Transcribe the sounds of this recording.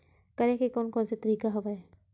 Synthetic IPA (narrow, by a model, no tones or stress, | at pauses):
kɐɾẽkikɔːnkɔ̃ːnset̪ɐɾiːkaɦɐʋae